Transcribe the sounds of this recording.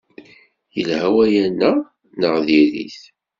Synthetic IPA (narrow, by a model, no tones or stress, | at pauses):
jəlhæwæjænːə | nəʁðiɾḭθ